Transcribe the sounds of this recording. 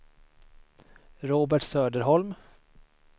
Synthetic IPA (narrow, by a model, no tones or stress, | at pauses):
ɾoːbæʈsøːd̪əɾɦɔlm